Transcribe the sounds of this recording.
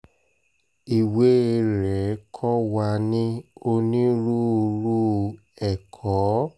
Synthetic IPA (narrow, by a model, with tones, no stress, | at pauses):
i˨we˦˧ɾɛ˨˦kʰɔ˦wa˧nĩ˦o˧nĩ˦ɾu˦˧ɾu˦˨ | ɛ˨kʰɔ˨˦